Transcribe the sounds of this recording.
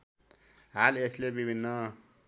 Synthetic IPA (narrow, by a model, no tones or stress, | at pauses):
ɦaleslebibʱinːʌ